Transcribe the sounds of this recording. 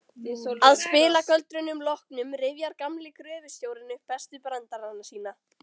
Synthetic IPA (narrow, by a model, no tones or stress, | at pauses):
aðspɪːlakœlt̪ɾʏnʏmlɔhknʏmɾɪvjaɾkamlɪkɾœːvɪ̥st̪joːwɾɪnʏfɛst̪ʏpɾant̪aɾanːasiːna